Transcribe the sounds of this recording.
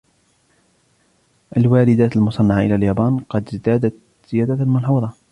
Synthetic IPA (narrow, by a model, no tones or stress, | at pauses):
ʔalwaːlɪd̪aːt̪almʊsˤɑnːɑʕaʔɪlaːljaːbaːnqɑd̪zd̪aːd̪at̪ | z̥ɪjaːd̪almʊnħuːðˤɑ